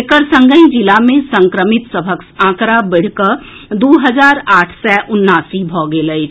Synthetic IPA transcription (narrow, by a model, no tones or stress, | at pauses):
kəɾsə̃ŋɡəĩd͡ʒɪlamẽsə̃ŋkɾəmɪt̪səbʱəksãːkɾabɪɽ̤kəɾd̪oːɦəzaːɾaːʈʰsɛːʔʊnːaːsibʱɔːɡeːləd͡ʒ